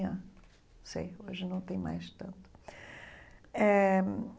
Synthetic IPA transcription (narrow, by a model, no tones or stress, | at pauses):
ɐ̃ | sḛjoʒɨnɐ̃w̃t̪ẽj̃ma̰jʃt̪ɐ̰̃nt̪u̥ | ɛ